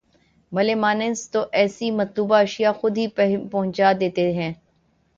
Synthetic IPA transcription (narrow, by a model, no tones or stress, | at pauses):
bɐlemaːnẽnst̪oʔɛːsimɐt̪luːbaɐʃijaxʊd̪ɦipɐɦʊ̃ɲt͡ʃaːd̪eːt̪eɦɛ̃ː